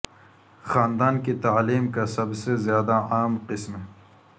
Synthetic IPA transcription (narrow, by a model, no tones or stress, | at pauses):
xaːnd̪aːnkit̪aːliːmkasɐbsezjaːd̪aaːmqɪsme